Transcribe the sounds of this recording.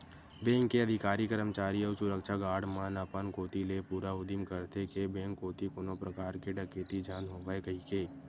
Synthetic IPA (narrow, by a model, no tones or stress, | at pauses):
bẽːŋkːeɐd̪ʱɪkaːɾikəɾəmt͡ʃaːɾiɔːsʊɾəkʃaɡaːɾɽmaːnəpənkoːt̪ilepuːɾaʊd̪imkəɾt̪ekebẽːŋkːoːt̪ikoːnõpɾəkaːɾkeɖɐkeːt̪id͡ʒʱjaːnɦoːʋaekɐɦikeː